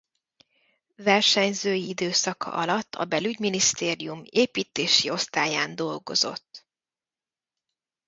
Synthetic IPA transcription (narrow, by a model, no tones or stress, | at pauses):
vɛrʃɛɲzøːjiid̪øːsɒkɒ̰ʔɒlɒt̪ʰːɒ̰bɛlyɟminist̪eːɾijumeːpiːt̪eːʃio̞st̪aːjaːnd̪o̞lɡo̞zo̞̰t̪ː